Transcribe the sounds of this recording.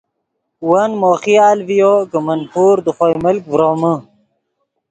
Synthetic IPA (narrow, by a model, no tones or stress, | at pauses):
wɐnmoːχiaːlvijoːɡəmɐnpʰuːɾd̪əχoːiməlkvɾoːmə